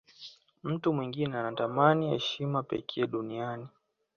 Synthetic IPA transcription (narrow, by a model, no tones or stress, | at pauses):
m̩tumwiŋɡinɛanatamaniɛ̰ʃimapɛ̰kʰɛːɗuniani